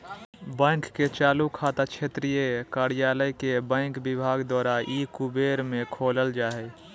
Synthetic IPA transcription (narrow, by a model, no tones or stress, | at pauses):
bə̃ŋkːet͡ʃaːlukʰaːt̪akt͡ʃʰet̪ɾijekaɾjaːləjkebə̃ɪŋkbɪbʱaːɡd̪waːɾaʔikubeːɾmẽkʰoːləld͡ʒaːɦɛ